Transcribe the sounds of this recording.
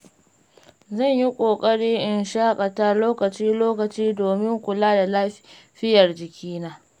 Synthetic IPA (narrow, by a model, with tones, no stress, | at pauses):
zɐ˦˨ɲji˦kʷʼoː˨kʼɐ˦ɽiː˦ʔɪ˨nʃaː˦kʼɐ˨ta˦loː˦kɐ˨t͡ʃiː˦loː˦kɐ˨t͡ʃiː˦doː˨mɪ˦ŋkʷʊ˨laː˦da˨laː˦ | ɸɪ˦jɐ˨rd͡ʒɪ˨kʲiː˦naː˦